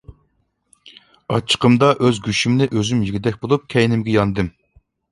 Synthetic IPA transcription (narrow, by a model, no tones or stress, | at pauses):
ɑt͡ʃʰːə̥qəmd̪ɑʔøzɡʲyʃymnɪʔøzymjiɡʲɪd̪ɛkʲbolˠup̚kʲʰɛjnɪmɡʲɛjɑnd̪ɨm